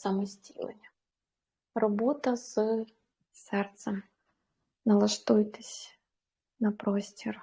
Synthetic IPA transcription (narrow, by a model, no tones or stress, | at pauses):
samɨsʲtʲḭlˠɐ̰nʲ | rɔbɔt̪ɐzɨ | sɛrt̪səm | nɐlˠɐʂt̪ujt̪ɨsʲ | nɐpɾɔsʲtʲɪr